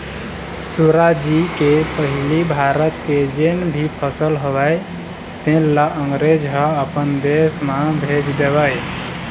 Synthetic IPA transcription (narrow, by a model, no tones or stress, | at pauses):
suɾad͡ʒikepəɦilibʱaɾət̪ked͡ʒenbʱipʰəsəlɦobaj | t̪ẽlaəŋɡɾed͡ʒɦəəpənd̪esmabʱed͡ʒd̪ebəj